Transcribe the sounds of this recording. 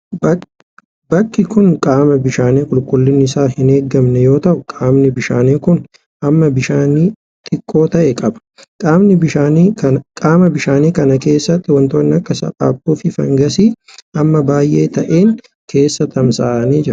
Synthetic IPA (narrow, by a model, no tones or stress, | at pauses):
b | bɐkːɪkʊnkʼaːmɐbɪʃaːneːkʼʊlkʼʊlːɪnːɪɪsaːhɪneːɡɐmnɛjo̞ːt̪ɐʔʊkʼaːmnɪbɪʃaːneːkʊn | ʔɐmːɐbɪʃaːniː | t̪ʼɪkʼːo̞ːt̪ɐʔɛkʼɐbɐ̥ | kʼaːmnɪbɪʃaːniɐkʼaːmɐbɪʃaːniːkɐnɐke̞ːsːɐt̪ːɪwɐnt̪oːnːɪɐkʼːɐsɐ̰pʼa̰ːpːuːfɪfɐ̰ŋɡɐsiː | ɐmːɐbaːjʔe̞ːt̪ɐʔeːŋ | kʰe̞ːsːɐt̪ɐmsaːniːd͡ʒɪɾ